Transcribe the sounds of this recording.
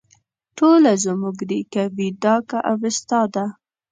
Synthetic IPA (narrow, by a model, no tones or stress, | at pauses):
ʈʰolazəmuɡd̪ikawid̪ɑkaʔawɪst̪ɑd̪a